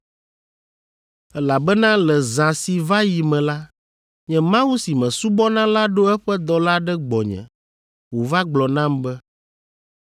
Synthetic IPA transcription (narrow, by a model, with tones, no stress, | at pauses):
ɛ˦la˨bɛ˦nã˦lɛ˨zã˨si˨va˦ji˨mɛ̃˨la˦ | ɲɛ̃˦mã˦wu˦si˨mɛ̃˨su˦bɔ˦nã˦la˦ɖo˦ɛ˦ɸɛ˦d̪ɔ˨la˦ɖɛ˦ɡ͡bɔ˨ɲɛ̰̃˨ | wo˨va˦ɡ͡blɔ˨nã˦mbɛ˦